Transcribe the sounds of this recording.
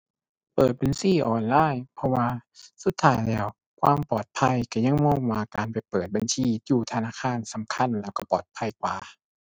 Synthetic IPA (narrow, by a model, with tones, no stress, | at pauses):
pɤː˨˩t̪̚be˧˨nsiː˧˥˩ʔɔː˨˩nlaː˧˥˨jpʰɔ˧waː˧su˧˦t̪ʰːaː˧˥˩jlɛː˧˩w | kʰwaː˧˨mpɔː˨˩t̪̚pʰa˧˥˨jka˧˩ɲa˧˥ŋmɔː˧˩˨ŋmaː˧˩kaː˨npa˨˩jpɤː˨˩t̪̚ba˨nsʰiː˧˩juː˧˩t̪ʰa˧naː˧˥˩kʰaː˧˥˨nsa˧˦mkʰa˧˥˨nlɛː˧˩wkɔ˧˩pɔ̰ː˨˩t̪̚pʰa˧˩jkwaː˨˩